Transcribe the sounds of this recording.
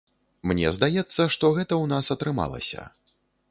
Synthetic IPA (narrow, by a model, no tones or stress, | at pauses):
mnʲɛ̰zd̪ajɛt̪sːɐʂt̪ɔɣɛt̪ɐwnasɐt̪ɾɨma̰lˠɐ̰sʲɐ̰